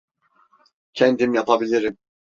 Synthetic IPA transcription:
cʰɛnd̪imjapʰabilʲiɾim

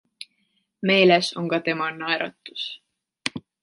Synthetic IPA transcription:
me̞ːleso̞ŋkɑt̪e̞mɑnɑeɾɑ̰t̪ːˑu̥s

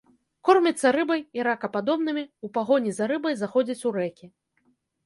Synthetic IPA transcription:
kɔrmʲit̪sːɐɾɨbɐjiɾakɐpad̪ɔbnɨmʲiupaɣɔnʲizaɾɨbɐjzaxɔd͡zʲɐt͡sʲuɾɛkʲi

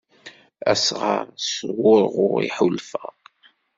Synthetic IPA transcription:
æ̰sʁɑɾˤswʊɾʁʊɾḭħulfə

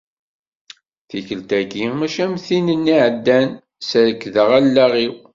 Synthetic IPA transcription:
θiçəlt̪æɡimæʃæmθinənːiʕəd̪ːæn | səðəkːðəʁælːæʁiw

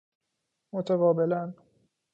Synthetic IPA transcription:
mot̪ʰævɒːbelæn

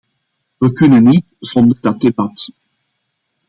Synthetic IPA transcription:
ʋəkɵnənːitz̥ɔnd̪ədɑt̚debɑt

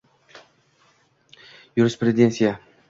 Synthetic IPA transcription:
jʊɾɪspɾʲeɪd̪ʲensʲija

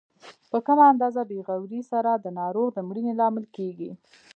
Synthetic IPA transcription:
pəkəmaːnd̪ɑzabeɣawɾisaɾad̪ənɑɾoɣd̪əmɽinelɑmɪlkeɡi

